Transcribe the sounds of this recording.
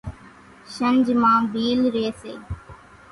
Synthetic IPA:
ʃənd͡ʒmãːbiːlɾeːseː

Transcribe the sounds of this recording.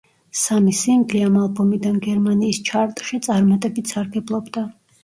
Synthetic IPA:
samisiŋɡliamalˠbɔmid̪anɡɛɾmaniːst͡ʃʰaɾt̪ʼʃit̪sʼaɾmat̪ʼɛbit̪ʰsaɾɡɛblˠɔbd̪a

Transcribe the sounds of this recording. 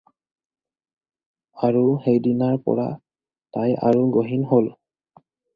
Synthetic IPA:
aɹuxejdinaɹpɔ̰ɹa̰ | taja̰ɹuɡoɦinɦol

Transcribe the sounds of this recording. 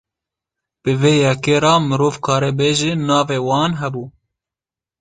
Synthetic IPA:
b̥ɨveːjɛkeːɾɑːmɨɾoːvkʰɑːɾeːbeːʒeːnɑːveːwɑːnɦɛbuː

